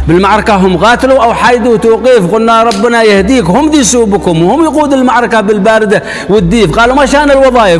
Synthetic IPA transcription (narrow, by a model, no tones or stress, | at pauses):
bɪlmaʕɾˤɑkaɦʊmɣɑːt̪luʔawħaːjd̪uwt̪uːqiːfqʊlnːaɾˤɑbːɪnajɪhd̪iːkhʊmd̪iːsuːbkʊmwhʊmjaquːd̪ɪlmaʕɾˤɑkabɪlbaːɾɪd̪a | wɪd̪ːiːfqɑːlumaʃaːnɪlwɑðˤɑːjɪ